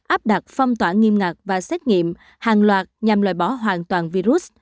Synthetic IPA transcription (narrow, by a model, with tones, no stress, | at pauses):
ʔaː˦˥p̚ɗa˨˩t̚fə˧wŋ͡mt̪waː˧˩ŋi˧əmŋa˨˩k̚vaː˨˩sɛ˦˥t̚ŋḭ˧˨əm | haː˨˩nlwaː˨˩t̚ɲa˨˩mlwaː˧˨˩jɓɔ˧˩˦ɦwaː˨˩nt̪waː˨˩nvi˧ɾu˦˥t̚